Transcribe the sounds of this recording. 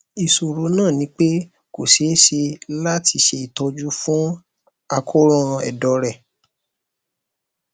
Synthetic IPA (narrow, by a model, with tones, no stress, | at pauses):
i˨so˨ɾo˨˧˦nãː˦˨nĩ˨˦k͡pe˦ | ko˨se˨˦ʃe˧la˦tʰi˧ʃe˧i˨tɔ˧˦d͡ʒu˦fũ˦ | a˧kʰo˦ɾɔ̃˦˧ɛ̰˨dɔ˨˦ɾɛ˦˨